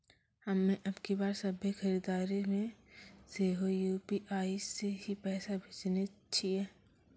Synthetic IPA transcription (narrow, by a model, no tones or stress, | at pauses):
hɐmːẽʔɐbkebaːɾsɐbʱixɐɾid̪aːɾimẽseːɦojuːpiʔaːiseɦipɛːsabʱet͡ʃne | t͡ʃʰiɦɛː